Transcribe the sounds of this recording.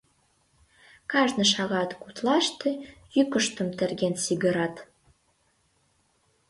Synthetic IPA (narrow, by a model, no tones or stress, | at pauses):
kɑʒnə̆ʃɑɣɑt̪kut̪lɑʃt̪ĕjykə̆ʃt̪ə̆mt̪ĕrɣensiɣə̆ɾɑt̪